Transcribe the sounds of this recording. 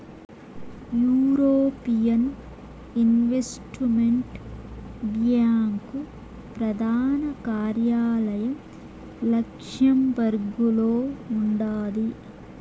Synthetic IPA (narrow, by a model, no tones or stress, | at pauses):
juːɾoːpijɐn | inʋesʈmeɳʈ | ɡjaːŋku | pɾɐd̪ʱaːnɐkaːɾjaːlɐjɐm | lɐkʂjɐmʋɐɾɡuloːuɳɖaːd̪i